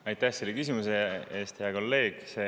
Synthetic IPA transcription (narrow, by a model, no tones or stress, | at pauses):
ɑjt̪ˑːæhselːekys̬imuseeːst̪heɑko̞lːe̞ːɡ̥se